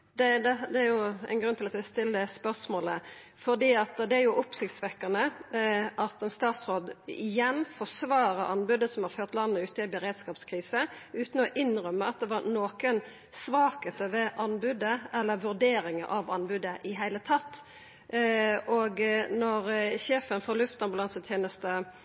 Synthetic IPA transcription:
d̪ɛd̪ɛd̪ɛæɾjʊæ̰ɪnɡɾʉnt̪ɪlɑt̪sæɪst̪ɪlːəspœsmoːlə | fɔd̪iːɑt̪d̪ɛæɾjʊʔʊpsɪkt̪sʋɛkːɑnə | ʔɑt̪ɛnst̪ɑːt̪sʁoːd̪ɪ̰jɛnfɔsʋɑːɾəʔɑnbʉd̪əsɔmhɑɾføːʁt̪lɑnːəʉːt̪ɪbəɾeːd̪skɑːpskʰʁiːsəʉːt̪n̩ɔʔɪnʁœmːəɑt̪̚d̪ɛʋɑɾnoːkən | sʋɑːkət̪əʋɛʔɑnbʉd̪əʔɛlːəʋʉɾd̪eːɾɪŋəʔɑʋɑnbʉd̪əʔɪɦæɪlət̪ʰɑt̪ː | oːɡnɔɾɕeːfənfɔɾlʉft̪ɑnbʉlɑnsət̪ʰjeːnəst̪ə

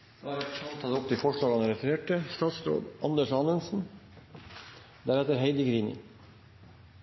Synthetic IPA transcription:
dɑɾɛt̪sɑmt̪ʰɑt̪ʊpt̪ɪfɔʂɭɑːɡɑnəɾɛfəɾeːʈəsʈ̪ɑːt̪sɾo̰ːd̪ʔɑnd̪əʂɑnənsn̩ | d̪æɾɛt̪əɾɦeɪd̪əɡɾiːnɪ̰

